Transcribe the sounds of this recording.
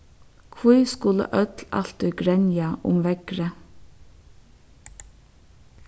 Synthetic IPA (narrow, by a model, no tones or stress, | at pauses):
kʰʋuːskʊlə̰ʔœt̪lɑ̰lt̪ʏɡɾɛnjɑʔʊ̰mʋɛɡ̥ɾə